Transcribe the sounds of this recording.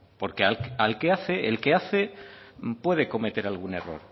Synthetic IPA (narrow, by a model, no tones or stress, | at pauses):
po̞ɾkealalke̞aθe̞ʔelke̞aθe̞mpwe̞ðe̞ko̞me̞t̪e̞ɾalɣ̞une̞ro̞̰ɾ